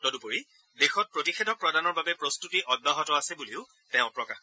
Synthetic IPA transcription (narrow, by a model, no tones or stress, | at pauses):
tɔdupoɹi | dexɔt̚pɹotixedʱɔk̚pɹɔdanɔɹbabɛpɹostutiʔɔd̚baɦɔtɔasɛbuliʊ | tɛʊ̃pɹɔkax